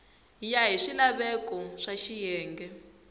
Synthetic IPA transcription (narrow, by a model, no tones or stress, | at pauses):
ijaɦiʂilaβɛkɔʂaʃijɛːŋɡɛ